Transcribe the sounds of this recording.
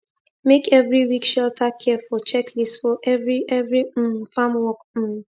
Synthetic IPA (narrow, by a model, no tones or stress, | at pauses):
mekɛvɹiwikʃɛltʰakʰɛfɔt͡ʃɛkʰlistsfɔʔɛvɹiʔɛvɹifamwɔk̩